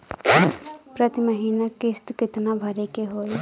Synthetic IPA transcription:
pɾət̪iməɦiːnakɪst̪kɪt̪nabʱəɾekeɦoːj

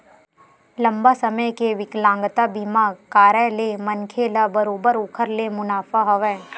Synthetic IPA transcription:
lɐ̃mbasɐməjkeʋɪklãːŋɡt̪abɪmaːkaːɾəlemɐnkʰelabəɾoːbəɾʊːkʰəɾlemʊnaːfaɦɐʋɛː

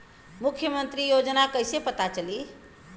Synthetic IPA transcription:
mukʰjəmənt̪ɾijod͡ʒnakəjsepət̪at͡ʃəli

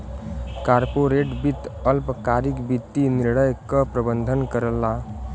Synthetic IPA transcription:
kaɾpoɾeʈbit̪ʌlpkaɾikbit̪ːiniɾɽ̃əjkʌpɾəbənd̪ʱənkəɾəlːa

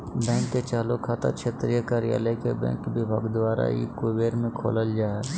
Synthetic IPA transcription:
bɛ̃ːŋkːet͡ʃaːlokʰaːt̪a̰kʃʰeːt̪ɾijəkaɾɪja̰ːlekebɛ̰̃ːŋkbɪbʱaːɡd̪waːɾa̰ḭkoʋeːɾmẽkʰo̰ːləld͡ʒaːɛ

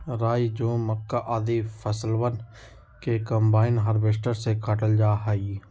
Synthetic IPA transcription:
ɾaːid͡ʒõːməkːaʔaːd̪ifʰəsəlʋən | kekəmbaːɪnɦəɾbeʃʈəɾsekaʈəld͡ʒaːɦai

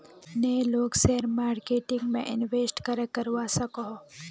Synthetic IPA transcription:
neːloːkseːɾmaːɾkeːʈɪ̃ŋɡmḛ̃ʔɪnʋeːsʈkɐɾəkːɐɾwasɐkɔɦ

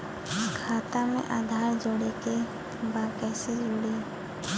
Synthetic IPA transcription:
kʰaːt̪amḛ̃ʔad̪ʱaɾd͡ʒoɽeke | bakɛːsed͡ʒoɽe

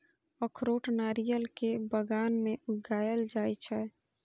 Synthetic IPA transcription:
əkʰɾoʈnaɾijəlkebəɡanmeuɡajəld͡ʒajt͡ʃʰɛ

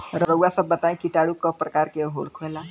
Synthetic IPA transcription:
ɾɾəwasɐbːɐt̪aːẽkiʈaːɽukopɾɐkaːɾkeɦo̰ːlkʰoela

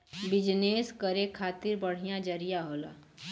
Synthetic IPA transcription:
bɪd͡ʒneːskəɾekʰaːt̪ɪɾbəɽ̤ijãd͡ʒəɾijaɦoːla̰ː

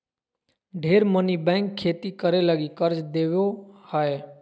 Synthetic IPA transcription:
ɖʱeːɾmənibɛ̃ːŋkʰːeːt̪ikəɾeləɡikəɾt͡ʃd̪eːʋjohae

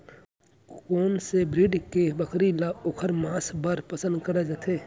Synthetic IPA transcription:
koːnsebɾɪɖkebəkʰɾilaoːkʰəɾmaːsbaɾpəsə̃nd̪kəɾed͡ʒat̪ʰeː

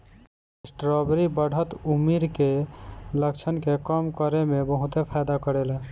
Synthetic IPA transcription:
esʈɾɔbɾibəɽ̤ʱət̪umiɾkeləkt͡ʃʰənkekəmkəɾemebəɦũt̪epʰajd̪akəɾel

